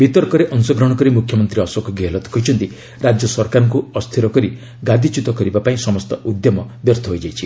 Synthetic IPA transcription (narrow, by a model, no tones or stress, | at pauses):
bit̪ɔɾkɔɾeʔɔŋsɔɡɾɔɽ̃ɔkɔɾimukʰːjɔmɔnt̪ɾiɔsɔkɔɡelɔt̪ɔ̥kɔjt͡ʃʰɔnt̪i | ɾad͡ʒjɔsɔɾkaɾɔŋkuɔst̪ʰiɾɔkɔɾi | ɡad̪ʱit͡ʃut̪ɔkɔɾibapaĩsɔmɔst̪ɔʔud̪jɔmɔbɔɾt̪ʰɔɦojd͡ʒajt͡ʃʰi